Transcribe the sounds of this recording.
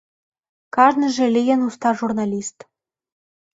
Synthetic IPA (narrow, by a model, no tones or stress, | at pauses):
kɑʒnĭʒĕlʲijɘnust̪ɑʒurnɑlʲist̪